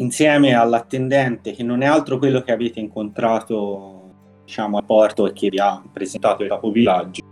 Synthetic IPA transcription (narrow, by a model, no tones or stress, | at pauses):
insjɛːmealːat̪ːend̪ɛnt̪ek̟enːonɛalt̪ɾokwelːok̟eaveːt̪eiŋkont̪ɾaːt̪o | d̪it͡ʃaːmoapːɔrt̪oekʰːevːiapːɾezent̪aːt̪olk̪aːpovilːad͡ʒːo